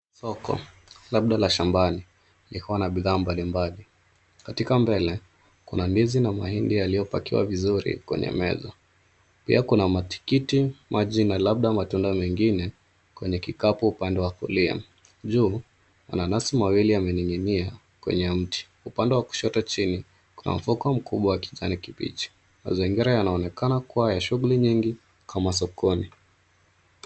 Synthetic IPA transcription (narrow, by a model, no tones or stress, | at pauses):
sɔkɔ̰ | laɓ̚ɗalaʃambani | likuwanaɓiðaːmbalimbali | katikambɛlɛ | kunanbizinamahindijalijɔpakiwa̰vizuɾḭkwɛ̰ɲɛ̰mɛ̰zɔ | pḭakunamati̥kitimʔaʄinalab̚ɗamatundamɛŋɡinɛ | kwɛɲɛkikapuupandɛwakṵlia̰m | ʄuː | a̰nanasimawiliamɛniŋinia | kwɛ̰ɲɛm̩tʰi̥ | upandɛwaku̥ʃɔtɔt͡ʃini | kuna̰m̩fukam̩kuɓwawaki̥ʄanikipḭt͡ʃi̥ | ma̰ziŋɡiɾajanaɔnɛkanakuwajaʃuɣuliɲiŋɡi | kʰamas̬ɔkʰɔni